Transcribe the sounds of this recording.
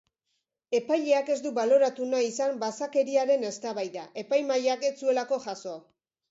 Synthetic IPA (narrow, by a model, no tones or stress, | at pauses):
e̞pajʎe̞ake̞zd̪uβalo̞ɾat̪unaisambasake̞ɾiaɾe̞ne̞st̪aβajðaʔe̞pajmaʎake̞t͡sue̞lako̞ʝaso̞a